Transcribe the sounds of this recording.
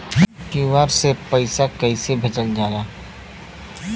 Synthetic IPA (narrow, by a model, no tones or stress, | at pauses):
kiʋaːɾsepəɪsakɐɪsebʱet͡ʃəld͡ʒaːlaː